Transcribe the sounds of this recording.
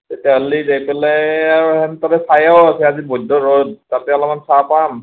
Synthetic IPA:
tetialidejpɛlɛaɹɛntatɛsajawasɛazibɔdɔɹod̚tapɛalamansapam

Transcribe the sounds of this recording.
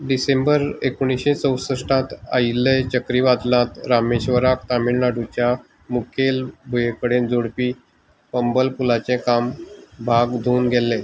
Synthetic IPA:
ɖisembəɾekuɽ̃iɕẽt͡səwsəʂʈãt̪a̰ilːet͡ɕəkɾiʋad̪lãt̪ɾameɕʋəɾak̚t̪amiɽnaɖut͡ɕja | mukʰelbʱujekəɽend͡zoɽpiː | pəmbəlpulat͡ɕẽkambʱaɡd̪ʱuːnɡʱɛlːɛ

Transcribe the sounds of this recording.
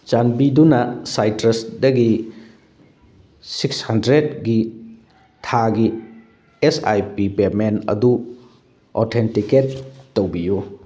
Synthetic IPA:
t͡ʃanbidunɐsajtɾesdɐɡi | sikshɐndɾedɡi | tʰaɡi | esa̰jpipemenɐ̰du | o̰tʰentiketːowbiju

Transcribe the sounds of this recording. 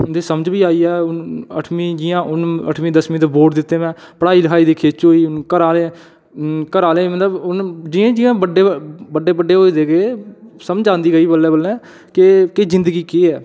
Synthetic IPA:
d̪eːsəməd͡ʒbiːaːiːɛːʊnə̰ʈʰmĩːd͡ʒɪːãːʔʊnə̰ʈʰmĩːd̪əsmĩːd̪eːboːʈd̪ɪt̪ːeːmɛ̃ːpəɽaːiːləkʰaːiːd̪iːkʰeːt͡ʃɦoːiːʊnkəɾaːlẽː | kəɾaːleːmət̪ləbʊnd͡ʒɪãːd͡ʒɪjãːbəɖːeːbəɖːeːbəɖːeːɦoːiːd̪eːɡeːsəmd͡ʒãːnd̪iːɡəiːbəlːɛ̃ːbəlːɛ̃ː | kekeːzɪ̃nd̪əɡiːkiːɛː

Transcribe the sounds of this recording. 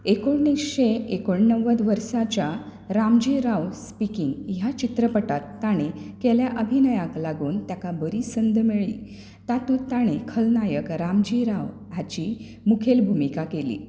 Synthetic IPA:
ekoɳːikɕeekoɳnəʋəd̪ʋəɾsat͡ɕa | ɾamd͡ʑiɾaʋspikiŋɡjat͡ɕit̪ɾəpəʈat̪ːaɽ̃ekeljaʔəbʱinəjaklaɡuːnt̪jakabəɾiːsənd̪ʱmeɭḭː | t̪at̪uːt̪aɽ̃ekʰəlnajəkɾamd͡ʑiɾaw | at͡ɕiː | mukʰelbʱumikakelḭː

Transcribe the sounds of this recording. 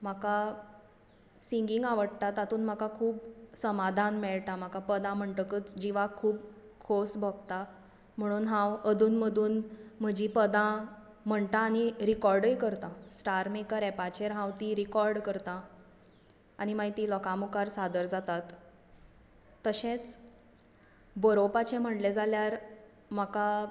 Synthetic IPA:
m̤aka | siŋɡiŋɡaʋəɽt̪at̪at̪uːnm̤akakʰuːpsəmad̪ʱanmɛɭʈ̪am̤akapəd̪ãm̤əɳʈəkəːt͡sd͡ʑiʋakʰuːb | kʰosbʱɔɡ̚t̪a | m̤əɽ̃uːnɦãwəd̪ʱuːnməd̪ʱuːnm̤əd͡ʑipəd̪ã | m̤əɳt̪ãːɽ̃iɾikɔɾɖəjkəɾt̪ãsʈaɾmekəɾɛpat͡ɕeɾɦãwt̪iɾikɔɾɖkəɾt̪ã | aɽ̃imajt̪iːlɔkamukaɾsad̪əɾd͡zat̪at̪ | əɕẽt͡s | bəɾopat͡ɕẽm̤əʈled͡zaljaɾ | m̤aka

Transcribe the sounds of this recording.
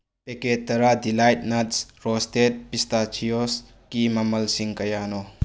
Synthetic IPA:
peket̚ːɐɾadilajt̚nɐtsɾɔstet̚pistat͡ʃʰijos | kimɐmɐlsiŋkɐjanɔ

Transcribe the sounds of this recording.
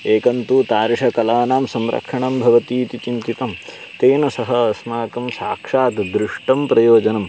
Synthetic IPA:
eːkɐnt̪uːt̪aːɾiʂɐkɐlaːnaːmsɐmɾʔɐ̰kʂɐɳɐmbʱɐʋɐt̪iːt̪it͡ʃint̪it̪ɐm | t̪eːnɐsɐɦɐɐsmaːkɐmsaːkʂaːt̪d̪ɾɪʂʈɐmpɾɐjoːd͡ʒɐnɐm

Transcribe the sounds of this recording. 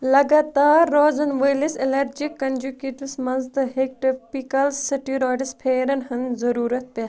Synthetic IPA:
lɐɡaːt̪aːɾːoːzɐnʋɐːliselɐɾd͡ʒikːɐnd͡ʒukeːʈiʋsmɐzd̪ɨɦek̚ʈipikɐlsːiʈiːɾoːɖispʰeːɾɐnɦɐnzɐɾuːɾɐt̪̚pe

